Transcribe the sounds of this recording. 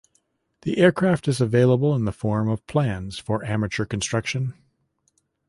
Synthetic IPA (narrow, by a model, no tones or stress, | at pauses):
ðḭʔɛɹkʰɹ̥æftɨzəveɪlˠəbl̩ˠə̃nðəfɔɹmʌv̥pʰl̥æ̃nz̥fə˞ʔæmɨt͡ʃə˞kn̩stɹ̥ʌkʃɨ̃n